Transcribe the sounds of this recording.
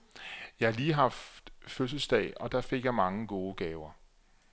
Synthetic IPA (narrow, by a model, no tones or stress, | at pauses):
jɑ̈ɪhɑ̈liːɦɑ̈fd̥føs̬əl̩sd̥ɛ̰ːɪɒ̽d̥ɑ̈fe̝ɡ̥jɑ̈ɪmɑ̈ŋəɡ̥o̝ːəɡ̥ɛːʊɐ